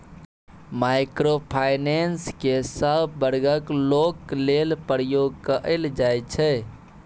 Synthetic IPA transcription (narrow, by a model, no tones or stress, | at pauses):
majkɾopʰajnenskesəbbəɾɡəklokːlelpɾjoɡ̚kəʔəld͡ʒajt͡ʃʰɛ